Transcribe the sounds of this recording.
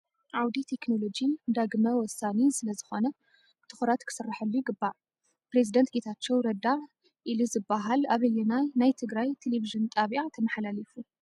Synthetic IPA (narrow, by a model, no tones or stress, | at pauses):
ʔawd̪it̪ʰe̞kno̞lo̞d͡ʒind̪aɡmɐwɔsːanisɨlɐzɨxo̞nɐ | t̪ʰɨ̥xɾat̪kʰɨ̥sɨrːaħɐlːuɡɨbːaʕ | pɾe̞zid̪ɐnt̪̚ɡe̞t̪ʰat͡ʃːɛwɾɐd̪aɾ | ʔiluzɨbːaɦalaβɐjɛnanajt̪ʰɨɡɾajt̪ʰeleviʒɨnt̪ʼaβiʔat̪ʰɐmɐħalalifu